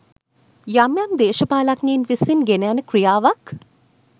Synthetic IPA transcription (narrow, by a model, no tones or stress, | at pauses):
jamjamd̪eːʃəpaːlakniːnʋisinɡeneanəkrijaːʋak